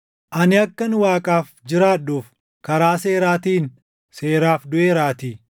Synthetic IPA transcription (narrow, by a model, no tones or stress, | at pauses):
ʔɐnɪɐkːɐnʊwaːkʼaːf | d͡ʒɪɾaːᶑːuːf | kɐɾaːse̞ːɾaːt̪iːn | se̞ːɾaːfd̪ʊʔeːɾaːt̪i